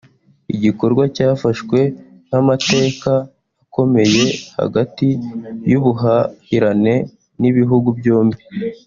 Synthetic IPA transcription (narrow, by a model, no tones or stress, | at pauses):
ḭɟiko̞ɾɡwacaːfaʃkwe̞ | n̥amate̞ːkaː | ko̞me̞je̞ha̰ɡatijuβuɦahiɾane̞ | niβiɦuɡubjoːmbi